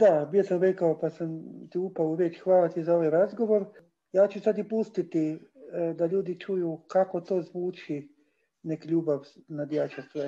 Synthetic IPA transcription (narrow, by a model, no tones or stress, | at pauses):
d̪abjesamɾekaopasamt̪iupauʋet͡ʃxʋaːlat̪izaoʋajɾazɡoʋoɾ | jaːt͡ʃusad̪jipust̪it̪i | d̪aʎuːd̪it͡ʃujukakot̪oːzʋuːt͡ʃi | nekiʎuːbaʋnad̪jaːt͡ʃast̪ʋe